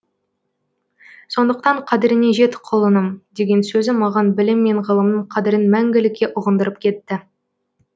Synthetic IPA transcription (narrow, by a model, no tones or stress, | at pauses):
so̞nd̪əq̚t̪ɑɴqʰɑd̪ɪɾɪne̞ʒe̞t̪ɪ̥qʰolˠənəmd̪e̞ɡʲe̞nsɵzɪmɑʁɑnbɪlɪmːe̞ɴʁəlˠəmnəɴqʰɑd̪ɪɾɪnmæŋɡʲɪlɪkʲːe̞ʔʊʁənd̪əɾəp̚kʲʰe̞t̪ːɪ